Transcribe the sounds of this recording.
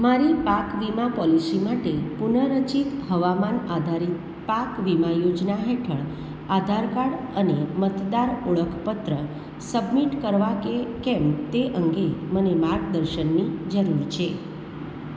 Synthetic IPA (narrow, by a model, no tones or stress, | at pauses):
maɾipakʋimapɔlisimaʈepunəɾət͡ʃik̪ɦəʋamanad̪ʱaɾit̪̚ | pakʋimajod͡ʒnaɦeʈʰəɭ | ad̪ʱaɾkaɽ | ənemət̪d̪aɾoɭəkʰpət̪ɾə | səbmiʈkəɾʋakekɛmt̪eʔəŋɡemənemaɾɡ̚d̪əɾʃənːid͡ʒəɾuɾt͡ʃʰe